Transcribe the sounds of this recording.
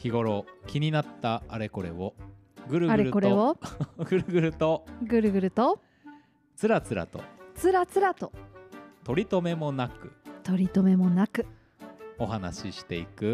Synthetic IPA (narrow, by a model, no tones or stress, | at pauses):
çiɡo̞ɾo̞kʲiɲ̟inat̪ːaːɾe̞ko̞ɾe̞̰βo | ɡɯ̟ɾɯɡaɾeɾɯko̞ɾeβoɡɯ̟ɾɯ̟ɡɯ̟ɾɯ̟t̪oɡɯ̟ɾɯ̟ɡɯ̟ɾɯ̟t̪o | t͡sɨɾat͡sɨɾa̰t̪o̞̰t͡sɨɾat͡sɨɾat̪ot̪o̞ɾʲit̪o̞me̞mo̞nakɯ̟̰t̪o̞ɾʲit̪o̞me̞mo̞nakɯ̟ | o̞ɦana̰ɕiɕi̥t̪e̞ikɯ̟